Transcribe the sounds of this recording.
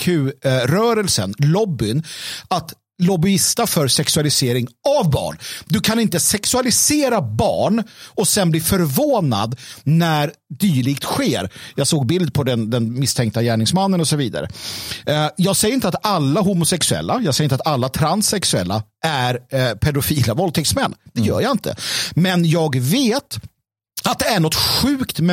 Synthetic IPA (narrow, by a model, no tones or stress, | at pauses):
kʰʉ̟ːɾœːɾəlsənlɔbːʏnat̪ | lɔbʏɪst̪afœɾsɛksɵalɪseːɾɪŋavbɑ̰ːɳd̪ɵkʰanɪnt̪əsɛksɵalɪseːɾabɑ̰ːɳɔsɛnbliːfœɾvoːna̰d̪næɾ | d̪yːɭɪkt̪ɧeːɾjɑːɡsoːɡ̚bɪld̪̚pʰɔd̪ɛnd̪ɛnmɪst̪ʰɛŋk̚t̪ajæːɳɪŋsmanːənɔsɔviːd̪a̰ɾə̰ | jɑːɡsɛjəɾɪnt̪at̪alːaɦʊmʊsɛksɵɛ̰lːajɑːɡsɛjːɾɪnat̪alːat̪ʰɾansɛksɵɛ̰lːaʔæɾpʰɛɖ̪ʊfiːlavɔlt̪ʰɛksmɛnːd̪̥ɛjœ̰ːɾjaɪnt̪ʰə̰mɛnjɑːɡveːt̪ | at̪̚d̪ɛæɳɔt̪ɧʉ̟ːkt̪mɛ